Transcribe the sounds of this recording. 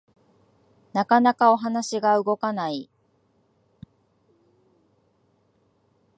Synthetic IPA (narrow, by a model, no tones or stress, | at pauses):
nakanakao̞ɦanaɕiɡaɯ̟ɡo̞kanai